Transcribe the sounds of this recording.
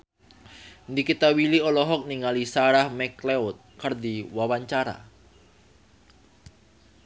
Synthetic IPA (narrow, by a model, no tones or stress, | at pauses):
ndikit̪awiliɔlɔɦɔk̚niŋalisaɾahmɛkleʊt̪̚kərd̪iwawaɲt͡ʃaɾa̰